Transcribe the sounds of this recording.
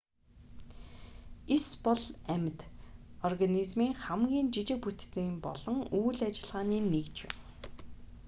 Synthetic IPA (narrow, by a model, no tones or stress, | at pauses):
espɔɮæmʲɪ̆t̪ɔrɣanizmiːŋχæmɡʲiːnt͡ɕit͡ɕɪ̆k̚put̪t͡siːmpɔ̰ɮ̥ɞ̆ŋuːɮat͡ɕɪ̆ɮʁaːniːnekt͡ɕwɪ̰n